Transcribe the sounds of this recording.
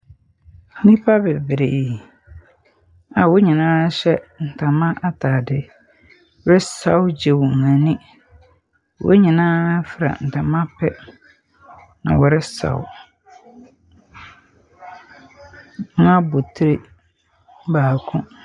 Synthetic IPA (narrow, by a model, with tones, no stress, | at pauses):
nĩ˦pʰa˦bɛ˨bɾe˨ | a˨wo˦ɲĩ˨nãː˦ɕɛ˦n̩˨tʰã˨mã˦ʔa˦tʰaː˨dɪ˦ | wɔ˦ɾɪ˦sa˦wd͡ʑe˨wɔ˨ŋã˨nĩ˦ | wo̰˦ɲĩ˨nãː˦fɾa̰˨n̩˨tʰã˨mã˦pʰɛ˦ | nã̰˨wɔ˨ɾɪ˦sa̰˨w̰ | ã˦bo˨tʰɾe˦ | baː˨kʰʊ̃˦